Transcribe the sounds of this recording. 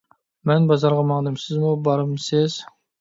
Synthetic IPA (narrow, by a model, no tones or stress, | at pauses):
mænbɑzɑɾʁɑmɑɴd̪əmsɪzmobɑɾəmsɪz̥